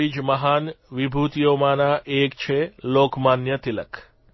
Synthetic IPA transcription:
id͡ʒməɦanʋibʱut̪ijomanaʔekt͡ʃʰelokmanjət̪ilə̰k

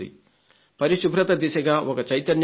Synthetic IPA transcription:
d̪ḭ | pɐɾiʃubʱɾɐt̪ɐd̪iʃɐɡaːʔɔkɐt͡ʃɐjt̪ɐnj

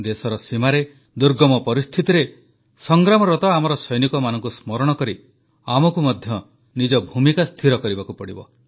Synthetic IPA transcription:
d̪esɔɾɔsimaɾe | d̪uɾɡɔmɔpɔɾist̪ʰit̪iɾe | sɔŋɡɾamɔɾɔt̪ɔamɔɾɔsɔjnikɔmanɔŋkusmɔɾɔɽ̃ɔkɔɾi | amɔkumɔd̪ʱjɔ | nid͡ʒɔbʱumikast̪ʰiɾɔkɔɾibakupɔɽibɔ̰

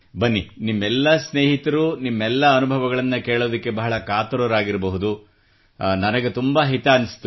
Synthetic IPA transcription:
bɐnːinimːɛlːɐsneːɦit̪ɐɾunimːɛlːɐɐnubʱɐʋɐɣɐɭɐnːɐkeːɭoːd̪ɐkːe̞bɐɦɐɭɐkaːt̪ɐɾɐɾaːɡiɾɐbɐɦud̪u | nɐnɐɡet̪umbɐɦit̪eɐnːisi̥t̪ːu

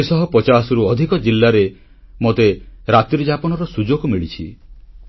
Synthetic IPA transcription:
sɔɦɔpɔt͡ʃasɔɾuɔd̪ʱikɔd͡ʒilːaɾe | mot̪eɾat̪ɾid͡ʒapɔnɔɾɔsud͡ʒoɡɔmiɭit͡ʃʰi

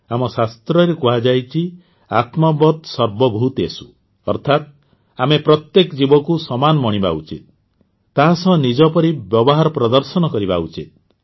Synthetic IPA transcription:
amɔsast̪ɾɔɾekuɦad͡ʒajt͡ʃʰi | at̪mɔbɔt̪sɔɾbɔbʱut̪esu̥ | ɔ̰ɾt̪ʰat̪̚ | amepɾɔt̪jekɔd͡ʒibɔkusɔmanɔmɔɽ̃iba̰ut͡ʃit̪̚ː | aɦasɔnid͡ʒɔpɔɾibjɔbɔɦaɾɔpɾɔd̪ɔɾsɔnɔkɔɾibaut͡ʃit̪̚

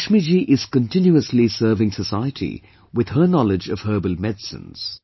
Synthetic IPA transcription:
ʃmid͡ʒiʔɪz̥kə̃ntɪ̃njuəslisɜːvɪ̃ŋsəsaɪətʰḭ | wɪð̥ə˞nɔlɪd͡ʒʌv̥ɦɜːbəlˠmɛdsə̰̃nz̥

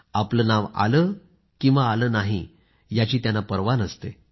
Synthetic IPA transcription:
apləːnaʋa̰ləː | kĩw̃ʋaːləːnaɦḭ | jat͡ɕiːt̪janːapəɾʋanəst̪e

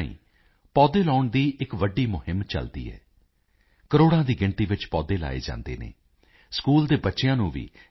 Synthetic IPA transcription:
ḭ̃ː | pɔːd̪eːlɔːʊɳd̪iːʔɪkʋəɖiːmʊhɪmt͡ʃə̰ld̪ḭːɦɛ̰ː | kəɾoːɽãːd̪iːɡɪɳʈiːʋɪt͡ʃpɔːd̪eːla̰ːḛːd͡ʒã̰ːnd̪ḛːnḛː | skuːld̪eːbətːʃɪjãːnũːʋḭː

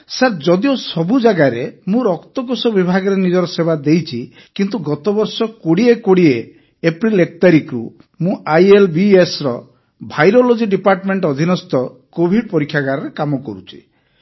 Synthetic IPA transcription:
saɾd͡ʒɔd̪iosɔbud͡ʒaɡaɾemũɾɔkt̪ɔɡosɔbibʱaɡɔɾenid͡ʒɔɾɔsebad̪ejt͡ʃʰi | kint̪uɡɔt̪ɔbɔɾsɔkoɽiekoɽieː | pɾilekɔt̪aɾikɾṵ | mũʔajelbiesɾɔ | bʱajɾolod͡ʒiɖipaɾʈmeɳʈɔɔd̪ʱinɔst̪ɔkobʱiɖ̚pɔɾikʰːjaɡaɾɔɾekamɔkɔ̰ɾut͡ʃʰi̥

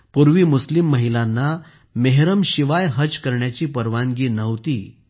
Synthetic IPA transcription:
puɾʋiːmuslimːəɦilãnːa | meɦɾəmɕiʋajɦəd͡zkəɾɳjat͡ɕiːpəɾʋãŋɡiːnəʋt̪iː

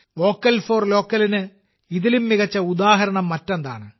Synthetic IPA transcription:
ʋo̞ːkːɐlfo̞ːrlo̞ːkːɐlinɨ | iðilumːiɣɐt͡ɕːɐud̪aːɦɐɾɐɳɐmːɐtːɐnd̪a̰ːɳɨ

